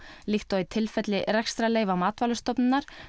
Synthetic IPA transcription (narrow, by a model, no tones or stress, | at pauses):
lixt̪ɔit̪ʰɪlfɛt̪lɪɾɛkst̪ɾaleːjvamaːt̪vaːlʏst̪ɔpnɪnːaɾ̥